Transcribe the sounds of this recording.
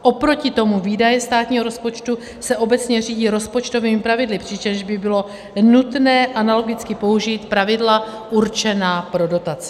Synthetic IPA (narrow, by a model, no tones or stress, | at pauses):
ʔo̞pɾo̞cɪt̪o̞muviːdajɛst̪aːt̪ɲiːɦo̞ɾo̞spo̞t͡ʃt̪u | sɛʔo̞bɛt͡sɲɛr̝iːɟiːɾo̞spo̞t͡ʃt̪o̞viːmɪpɾavɪdlɪpr̝̥ɪt͡ʃɛmʒbɪbɪlo̞ | nut̪nɛːʔanalo̞ɡɪt͡skɪpo̞uʒiːt̪pɾavɪdlaʔuɾt͡ʃɛnaːpɾo̞do̞t̪at͡sɛ̥